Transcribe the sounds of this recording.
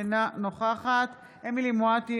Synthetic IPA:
nanoχaχat̪ | emilimoat̪i

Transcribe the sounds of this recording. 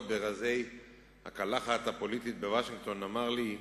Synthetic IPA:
t̪beʁaze̞j | ha̰kalaχat̪apo̞lit̪it̪bevaʃiŋkt̪o̞namaʁli

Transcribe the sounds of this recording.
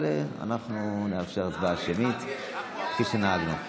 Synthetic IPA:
lea̰naχnuneafʃeʁet̪baaʃemit̪ | kfiʃenaaɡnu

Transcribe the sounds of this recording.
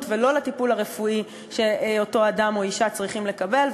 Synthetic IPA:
tvelo̞letipulhaʁefui | ʃe̞o̞to̞adamo̞iʃat͡sʁiχimle̞kabe̞l

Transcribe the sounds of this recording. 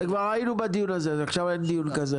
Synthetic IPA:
lekvaʁajinubad̪iunazɛzaχʃavɛnd̪iunkaze

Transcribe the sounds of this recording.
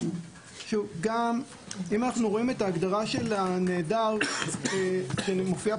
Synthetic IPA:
ʃuvɡam | imanaχnuʁo̞ime̞taːɡd̪aʁaʃe̞lane̞ːdaʁeʃemofia

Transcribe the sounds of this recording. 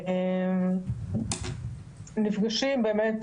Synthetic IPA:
em | nifɡaʃimbeːmet̪

